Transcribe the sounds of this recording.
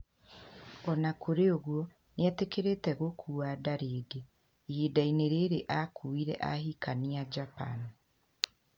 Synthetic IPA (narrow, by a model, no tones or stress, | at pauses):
ɔnakʰoɾeoɣwɔ | nɛtekeɾetɛɣokʰuadaɾeːde | idaineɾeɾeʔakʰuiɾɛ̰ʔahikaniad͡ʒapa̰ni